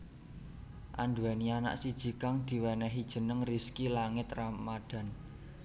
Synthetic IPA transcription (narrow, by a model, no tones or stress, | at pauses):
ʔa̰nduɛniana̰ʔsid̥ʒ̥i̤kaŋd̪̥i̤wɛnɛɦid̥ʒ̥ə̤nəŋriskilaŋɪt̪ramaɖ̥ä̤n